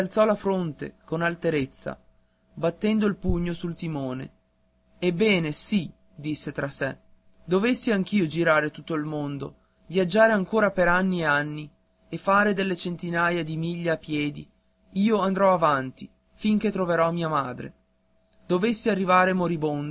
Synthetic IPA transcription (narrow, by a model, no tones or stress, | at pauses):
alt̪sɔlafɾont̪ḛkonalt̪eɾet̪sːa̰ | bat̪ːɛnd̪oilpuɲːosult̪imoːnḛ | ebːɛːnesi | d̪isːet̪ɾasɛ | d̪ovesːiaŋk̟iːod͡ʒiɾaːɾet̪ut̪ːoilmond̪o | vjad͡ʒːaːɾeaŋkoːɾapeɾanːieanːi | efaːɾed̪elːet͡ʃent̪inaːjad̪imiʎːaːpːjɛːd̪i | iːoand̪ɾɔavant̪i | fiŋk̟et̪ɾoveɾɔmiːamaːd̪ɾḛ | d̪ovesːiarːivaːɾemoɾibond̪